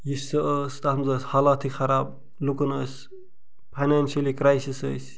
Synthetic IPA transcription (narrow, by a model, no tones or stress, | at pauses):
jisːɐəːst̪ɐɐmzɐːshaːlaːt̪ʰixɐɾaːb̚ | lukɐnəsʲ | pʰajnanʃɐlikɾajsisə̰ːs